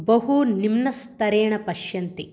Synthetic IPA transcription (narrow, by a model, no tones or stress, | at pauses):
bɐɦunimnɐst̪ɐɾeːɳɐpɐʃjɐnt̪i